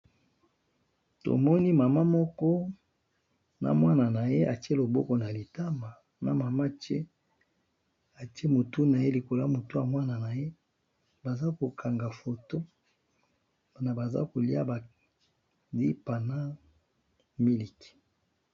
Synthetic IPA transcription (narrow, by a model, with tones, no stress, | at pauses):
to̰˨mɔ˦ni˦ma˨ma˦mɔ˦kɔ˦ | na̰˨mwa˦na˨na˨je˦ʔa˨te˦lo˨bɔ˦kɔ˨na˨li˨ta˦ma˨ | na̰˨ma˨ma˦te˦ | a˨ti˦e˦mo˨tu˦na˨je˦li˨ko˨la˦mo˨to˦a˨mwa˦na˨na˨je˦ | ba˨za˦ko˨kʰa˨ŋɡa˨fo˨to˦ | b̥a˨na˨ba˨za̰˦ko˨li˦a̰˦ba˨ | di˦pa˨na˦ | mi˦li˨ki̥˨